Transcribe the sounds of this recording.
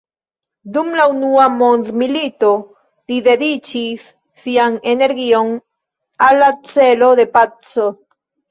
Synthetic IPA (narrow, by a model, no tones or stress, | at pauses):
d̪umlaunuamond̪milit̪o | liðeðit͡ʃisː | iaŋene̞ɾɣioŋ | alat͡seloðe̞pat͡so